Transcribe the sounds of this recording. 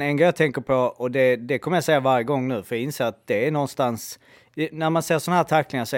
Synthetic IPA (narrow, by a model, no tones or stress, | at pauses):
ɛnɡɾɛjɑːt̪ʰɛŋkəɾpʰɔɔd̪ɛd̪ɛkʰɔməjasɛjːavaɾjəɡɔŋːnʉ̟ːfœɾjɑɪnseːɾat̪̚d̪̥ɛːɳɔnːst̪ans | næɾmanseːɾʂɔnahæːt̪ʰakːlɪŋasɔ